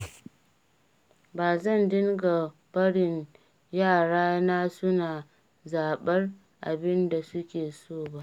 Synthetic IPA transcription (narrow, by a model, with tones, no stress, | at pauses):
baː˨zɐ˦˨ndɪ˦ŋɡa˨ | bɐ˦ɽɪ˨n | jaː˦˨ɽaː˦na˦sʊ˦naː˨ | zaː˨ɓɐ˦r | ʔa̰˨bɪ˦nda˨sʊ˦kʲeː˨soː˦˨ba˦ʔ